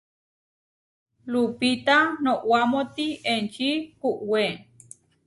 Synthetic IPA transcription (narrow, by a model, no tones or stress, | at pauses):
lupit̪anoʔwamot̪ient͡ʃikuʔwe